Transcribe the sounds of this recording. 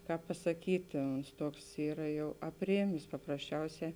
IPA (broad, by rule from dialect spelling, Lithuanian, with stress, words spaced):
ˈkɑːp pɐsɐˈkʲiːtʲɪ oːns ˈtuɔks ˈiːrɐ ˈjɛʊ ɐpʲˈrʲeːmʲeːs pɐprɐsʲˈt͡ʃʲɛʊˌsʲɛː